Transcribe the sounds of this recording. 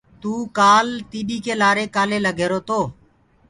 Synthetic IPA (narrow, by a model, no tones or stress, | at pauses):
t̪uːkaːlt̪iːɗiːkeːlaːɾeːkaːleːləɡʱeːɾoːt̪oː